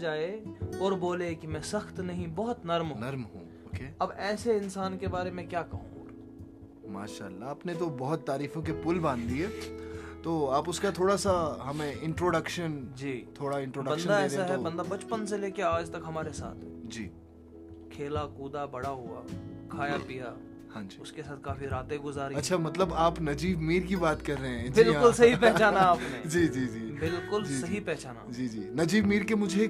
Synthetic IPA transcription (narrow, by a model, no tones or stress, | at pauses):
d͡ʒaːeɔːɾboːlekimɛ̃sɐxt̪nɐɦĩbɐɦʊt̪nɐɾmɦnɐɾmɦṵ̃ː | oːkeːɐbɛːseɪnsaːnkebaːɾemẽkjaːkɐɦṵ̃ | ma̰ːʃa̰ːlːaːpnet̪obɔɦʊt̪ːaːɾiːfõk̬epʊlbãːnd̪d̪ieːt̪oːaːpʊskat̪ʰoːɽasaɦɐmẽɪ̃ɳʈɾoːɖəkʃənd͡ʒiːt̪ʰoːɽaɪ̃ɳʈɾoːɖəbɐ̃knʃəd̪aeːɾesaɦ̪ɛbɐ̃nd̪abɐt͡ʃpəns̬eleːkeaːd͡ʒt̪ɐkɦɐmaːɾesa̰ːt̪ʰd͡ʒiː | kʰeːlakuːd̪abɐɽaɦua̰kʰaːjapija | hãːd͡ʒiʊskesaːt̪̚ʰkaːfiɾaːt̪eɡʊzaːɾɐtːʃʰamɐt̪ləbaːpnɐd͡ʒiːbmiːɾkibaːt̪kɐɾːeɦɛ̃d͡ʒbɪlaʊlsɐɦipɛɦt͡ʃaːnaaːpnẽd͡ʒiːd͡ʒiːd͡ʒiːbɪlkʊld͡ʒsɐɦipɛɦt͡ʃaːna̰d͡ʒiːd͡ʒiːnɐd͡ʒiːbmiːɾkemʊd͡ʒʱe